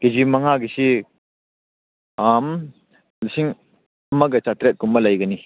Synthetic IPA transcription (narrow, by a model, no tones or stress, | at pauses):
ked͡ʒimɐŋaɡisi | am | lsiŋ | ɐmɐɡɐt͡ʃatɾet̚kumːɐlɐjɡɐni